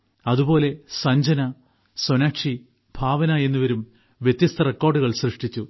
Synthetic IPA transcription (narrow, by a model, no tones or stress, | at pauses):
ɐðubo̞ːle̞sɐɲd͡ʑɐnɐ | sonaːkʂi | bʱaːʋɐnaːje̞nːuʋɐɾum | ʋjet̪ːjɐst̪ʰɐrekːo̞ːrɖuɣɐɭsrɨʂʈit͡ɕːu